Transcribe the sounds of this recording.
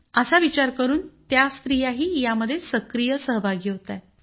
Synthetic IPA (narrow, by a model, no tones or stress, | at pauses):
əsaʋit͡ɕaɾkəɾuːnt̪jast̪ɾijaɦiːjaməd̪ʱːjesəkɾijəsəɦbʱaɡiɦot̪a